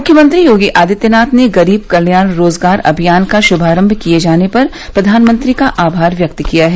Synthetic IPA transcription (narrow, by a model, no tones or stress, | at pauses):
mʊkʰjəmə̃nt̪ɾijoːɡiʔaːd̪ɪt̪jənaːt̪neɡɐɾiːb̚kɐɾnjaːnɾoːzɡaːɾɐ̰bʱijaːnkaʃʊbʱaːɾə̃mbʱkied͡ʒaːnepɐɾ | pɾɐd̪ʱaːnmə̃nt̪ɾikaʔaːbʱaːɾʋjɐk̚t̪kijaɦɛː